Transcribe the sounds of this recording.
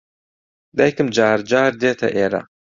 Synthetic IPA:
d̪ɐjkɨmd͡ʒaːɾd͡ʒaːɾd̪eːt̪ʰɐ̰ʔeːɾɐ̰

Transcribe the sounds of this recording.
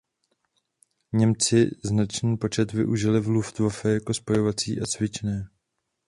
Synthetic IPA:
ɲɛmt͡sɪznat͡ʃniːpo̞t͡ʃɛt̪vɪ̰ʔuʒɪlɪvluft̪vafɛjako̞spo̞jovat͡sḭːʔat͡svɪt͡ʃnɛː

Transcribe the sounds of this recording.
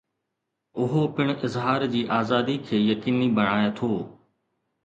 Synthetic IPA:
ʊɦopɪɽ̃ʔɪzɦaːɾd͡ʑiːʔaːzaːd̪ikʰeːjɐkiːnibɐɽ̃aːet̪ʰoː

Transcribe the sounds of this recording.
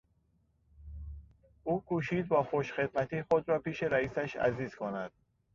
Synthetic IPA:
ʔuːkʰuːʃiːd̪̚bɒːxoʃxe̞d̪mæt̪ʰiːxod̪ɾɒːpiːʃe̞ɾæiːsæʃæ̰ziːz̥kʰonæd̪̥̚

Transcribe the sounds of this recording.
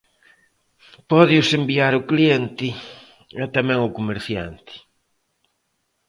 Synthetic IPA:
pɔðɪʊsembiaɾʊklient̪ɪ | ɛt̪amɛ̃ŋʊkomeɾθja̰nt̪ɪ̥

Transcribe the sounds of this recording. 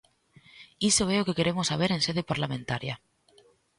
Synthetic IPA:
isoβeokekeɾemosaβ̞eɾẽnseð̞epaɾlamẽnt̪aɾja̰

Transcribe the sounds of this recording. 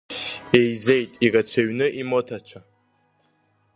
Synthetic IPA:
ejzejtʼiɡat͡ɕʷʰaɥnɨʔimotʰat͡ʃʷʰa

